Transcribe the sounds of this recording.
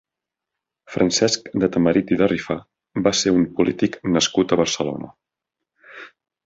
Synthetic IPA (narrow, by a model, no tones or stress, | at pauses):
fɾʔənsɛskd̪ət̪əməɾit̪iðərifa | baseumpulit̪iknəskut̪əβəɾsəlo̰nə̰